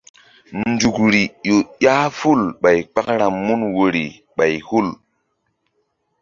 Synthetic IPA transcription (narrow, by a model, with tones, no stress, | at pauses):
nnd͡ʒu˨kɾi˨jo˨ja˦fu˦˨lɓa˨jk͡pa˦kɾaː˨u˦nwo˨ɾḭ˨ | ɓa˨jhu˦˨l